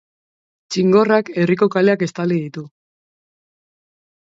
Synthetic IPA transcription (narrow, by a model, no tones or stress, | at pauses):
t͡ʃiŋɡo̞rake̞riko̞kaleake̞st̪aliðit̪u